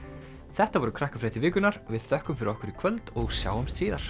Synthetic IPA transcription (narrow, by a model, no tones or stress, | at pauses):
θɛht̪avɔɾʏkʰɾahkafɾaːjt̪ɪvɪːkʏnaɾvɪðθœhkʏmfɪɾɪɾɔhkʏɾikʰvœlt̪ɔɣsja̰ːwʏmst̪siːðaɾ̥